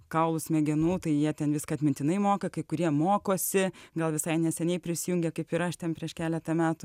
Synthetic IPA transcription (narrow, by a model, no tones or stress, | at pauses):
kɐʊlˠʊsmʲɛɡʲɛnuːt̪ɐɪjiɛt̪ʲɛnʋʲɪskɐːɐt̪ʲmʲɪnʲt̪ʲɪnɐɪmoːkɐkɐɪkʊɾʲiɛmoːkoːsʲɪɡɐlˠʋʲɪsɐɪnʲɛsʲɛnʲɛɪpʲɾʲɪsʲɪjuŋʲɡʲɛkɐɪpɪɾɐʃt̪ʲɛnpʲɾʲiɛʃkʲæːlʲɛt̪ɐmʲæːt̪ʊ